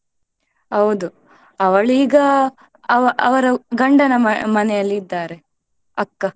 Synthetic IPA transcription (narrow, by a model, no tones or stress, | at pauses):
ɦɐwud̪u | ɐʋɐɭiːɡɐ | ɐʋɐʔɐʋɐɾɐɡɐɳɖɐnɐmɐnɛjɐlːiːd̪ːaːɾe̞ | ɐkːɐ